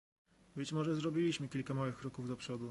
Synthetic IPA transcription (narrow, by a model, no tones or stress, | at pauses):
bɘt͡ɕmɔʐɛzɾɔbʲilʲiɕmɘkʲilkamawɘxkɾɔkuvd̪ɔpʂɔd̪u